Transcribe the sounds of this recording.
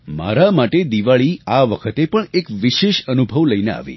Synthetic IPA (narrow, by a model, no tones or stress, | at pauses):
ma̰ɾamaʈed̪iʋaɭiaʋəkʰət̪epəɳekʋiʃeʃənubʱəʋləinea̰ʋḭ